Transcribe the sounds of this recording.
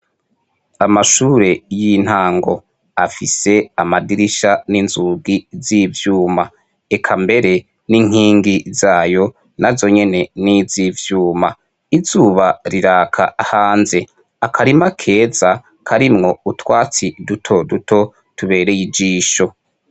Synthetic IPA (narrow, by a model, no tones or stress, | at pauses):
amaʃuːɾe̞jin̥haːŋɡo̞ | afise̞amadiɾiʃaninzuːɡizivjuːma | ekʰambe̞ɾe̞ | niŋ̥hiːŋɡizaːjo̞ | nazo̞ɲe̞ne̞nizivjuːma | izuːβaɾiɾaːkʰa̰ahaːnze̞ | akʰaɾimakʰe̞ːz̥a | kʰaɾimŋo̞utwaːt͡sidutʰo̞dutʰo̞ | tuβe̞ːɾe̞jid͡ʒiːʃo̞